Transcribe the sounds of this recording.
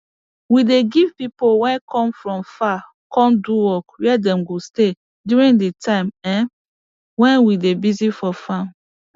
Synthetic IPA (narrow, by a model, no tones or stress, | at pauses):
wideɡiv̥pipowɛ̃nkʰɔ̃mfɹɔ̃mfa | kɔ̃nduwɔkwɛdɛ̃mɡoste | djuɹĩŋditʰãɪ̃mɛ̃n | wɛ̃nwidebizifɔfãm